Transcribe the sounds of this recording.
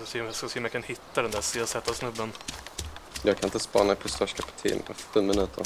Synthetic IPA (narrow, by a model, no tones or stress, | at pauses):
semassɛːɔmjakʰanhɪt̪ːad̪ɛnd̪æːseːsɛt̪ːasnɵbːən | jɑːɡkʰanɪnt̪əspɑ̰ːnamɛpʰɔst̪œʂkʰapɪ̥t̪ʰḭːnɛ̰fɛnːmɪnʉ̟ːt̪ʰəɾ